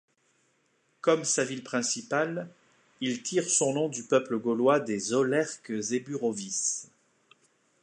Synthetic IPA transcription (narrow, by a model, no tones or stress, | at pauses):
kɔmsavilpχɛ̃sipal | ilt̪ʰiʁsɔ̃nɔ̃d̪ypœpləɡɔlwad̪ezolɛʁkzebyʁovis